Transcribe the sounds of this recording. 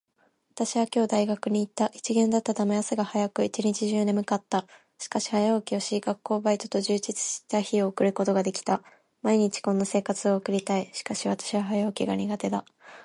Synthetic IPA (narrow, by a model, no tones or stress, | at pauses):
βat̪aɕiβakʲo̞ːd̪aiɡakɯ̟ɲ̟iːt̪ːaʔit͡ɕiɡẽ̞nd̪at̪ːad̪amejaseɡahajakɯ̟it͡ɕiɲ̟it͡ɕiʑɨːne̞mɯ̟kat̪ːa | ɕi̥kaɕi̥hajaokʲio̞ɕiɡakːo̞ːbait̪o̞̥t̪o̞ʑɨːd͡ʑit͡sɨ̥ɕi̥t̪açio̞ːkɯ̟ɾɯ̟ko̞t̪o̞ɡad̪e̞kʲi̥t̪a | maiɲ̟it͡ɕi̥kõ̞nːase̞ːkat͡sɨo̞ːkɯ̟ɾʲit̪aiɕi̥kaɕiβ̞at̪ḁɕiβaɦajaːkʲiɡaɲ̟iɡat̪e̞d̪a